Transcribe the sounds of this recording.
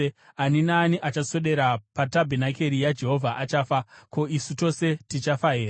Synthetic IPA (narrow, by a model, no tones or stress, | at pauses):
aninaːniʔat͡ʃaso̞ɗe̞ɾapatabʱenake̞ɾijad͡ʒe̞ɦo̞vʱaʔat͡ʃaːfako̞ʔisuto̞se̞tit͡ʃafaɦeːɾaa